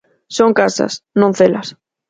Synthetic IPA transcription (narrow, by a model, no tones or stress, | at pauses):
soŋkasa̰snõn̟θelas